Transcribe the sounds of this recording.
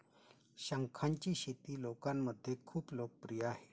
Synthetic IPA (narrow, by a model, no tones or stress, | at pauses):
ɕaŋkʰant͡ɕiːɕet̪ilokanməd̪ʱːjekʰuːplok̚pɾijaɦe